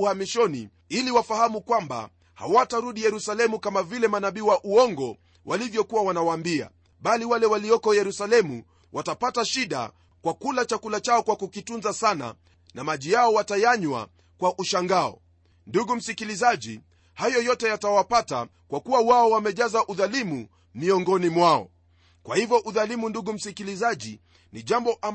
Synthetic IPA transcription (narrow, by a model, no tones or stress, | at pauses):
uhamiʃɔnḭ | iliwafahamukwamba̰ | ha̰wataɾuɗijɛɾusalɛmukamavilɛmanaɓiːwaʔuɔŋɡɔ | wʔalivjɔkuwawanawaːmbia̰ | ɓaliwalɛwaliɔkɔjɛɾusalɛmu | watapataʃiɗa̰ | kwakulat͡ʃakulat͡ʃaɔkwakukitunzasana̰ | namaʄijaɔwatajaɲwa̰ | kwaʔuʃaŋɡaɔ̰ | nduɡum̩sikilizaʄḭ | hajɔjɔtɛjatawapata̰ | kwakuwawaɔwamɛʄazaʔuðalimu | miɔŋɡɔnimwaɔ̰ | kwahivjɔʔuðalimunduɡum̩sikilizaʄḭ | niʄambɔʔa